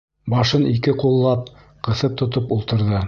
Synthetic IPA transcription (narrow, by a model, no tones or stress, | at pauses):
bɑʃɤnikɘqulˠːɑp̚ | qɤ̆θɤp̚t̪ŏt̪opulˠt̪ɤ̆ɾðɤ